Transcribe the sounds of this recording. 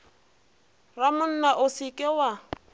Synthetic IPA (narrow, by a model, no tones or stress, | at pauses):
ramʊn̩naʔʊsikʼɪwa